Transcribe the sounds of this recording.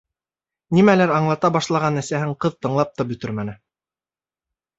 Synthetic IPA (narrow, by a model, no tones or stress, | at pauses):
nimælæɾɑɴlˠɑt̪ɑbɑʃlˠɑʁɑnæsæhɘɴqɤðt̪ɤ̆ɴlˠɑp̚t̪ɑbɵ̆t̪ɵɾmænɘ